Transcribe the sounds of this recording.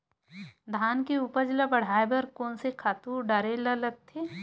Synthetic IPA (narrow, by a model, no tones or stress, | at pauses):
d̪ʱaːnkeupəɾd͡ʒlabɐɽ̤aːebɐɾkoːnsekʰaːt̪uːɾɖɐɾelɐlɐɡ̚t̪ʰeː